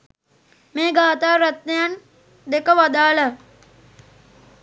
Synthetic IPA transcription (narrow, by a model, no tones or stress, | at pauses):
meːɡaːt̪aːɾat̪nejan | d̪ekəʋad̪aːlə